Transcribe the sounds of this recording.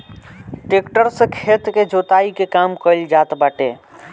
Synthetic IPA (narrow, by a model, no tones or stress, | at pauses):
ʈekʈəɾsẽkʰeːt̪ked͡ʒot̪aikekaːmkəld͡ʒaːt̪baːʈḛ